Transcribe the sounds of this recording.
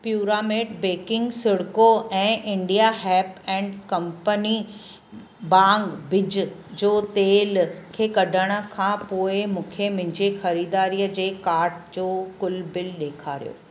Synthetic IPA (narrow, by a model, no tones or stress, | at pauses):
pjuːɾaːmeːɖbeːkɪ̃ŋɡsɪɽkoʔɛ̃ːʔɪ̃ɳɖijaɦɛːpɛ̃ːɳɖkɐ̃mpəni | bãːŋɡbɪd͡ʑd͡ʑoːt̪eːlkʰeːkɐɖʱəɽ̃ə̆kʰãːpoːɪmũːkʰemɪ̃ɲd͡ʑexɐɾiːd̪aːɾiːəd͡ʑeːkaːɾʈ̚d͡ʑoːkʊlbɪlɗeːkʰaːɾijo̰ː